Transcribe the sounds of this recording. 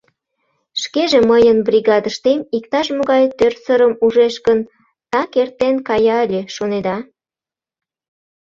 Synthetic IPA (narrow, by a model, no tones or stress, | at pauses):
ʃkeʒeməjənbrʲiɣɑd̪əʃt̪emik̚t̪ɑʃmoɣɑjt̪ørsəɾəmuʒeʃkən | t̪ɑkert̪enkɑjɑlʲeʃoned̪ɑ